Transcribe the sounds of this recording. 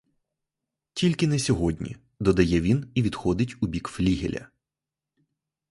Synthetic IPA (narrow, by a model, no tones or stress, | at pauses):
tʲilʲkɪnɛsʲɔɦɔdʲnʲḭ | d̪ɔd̪ɐjɛʋʲiniʋʲid̪xɔd̪ɪtʲʊbʲikflʲiɦʲḛlʲɐ̰